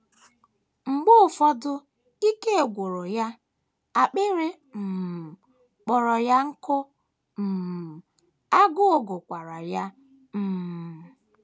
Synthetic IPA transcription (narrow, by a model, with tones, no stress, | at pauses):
ŋ͡m̩˨ɡ͡bʊ˦˨fɔ˦dʊ˦ | i˦ke˦e˨ɡʷo˨ɾo˨ja˦ | a˨k͡pɪ˦ɾɪ˦ | m̩˨ | k͡pɔ˨ɾɔ˨ja˦ŋ̩˦kʊ˦ | m̩˨m˨ | a˦ɡʊ˦o˨ɡʊ˨kʷa˨ɾa˨ja˦ | m̩˨m˨